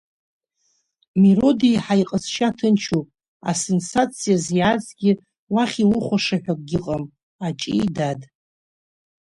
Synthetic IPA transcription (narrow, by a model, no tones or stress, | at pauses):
miro̞dijħajqʼəsʃatʰɨnt͡ʃʰupʼ | a̰se̞nsat͡sʰijazjad͡zɡʲɪ | waχʲilʊχʷaʂaħʷᶣakʼɡʲɪqʼam | at͡ʃʼijdad